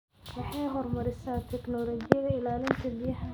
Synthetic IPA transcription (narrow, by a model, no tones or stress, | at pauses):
wɑħɑjɦɔrmɐɾɪsaːt̪ʰɛknɔːlɔːɡɪjɐðɐɪlaːlɪnt̪ʰɐbɪjɐhɐ